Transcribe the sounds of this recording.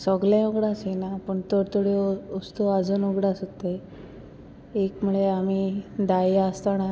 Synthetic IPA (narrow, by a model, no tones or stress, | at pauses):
sɔɡlãuɡɽasenapəɳt̪oɾt̪oɽeost̪uad͡zənuɡɽasɦot̪e | ekmuɭeam̤id̪ajast̪ana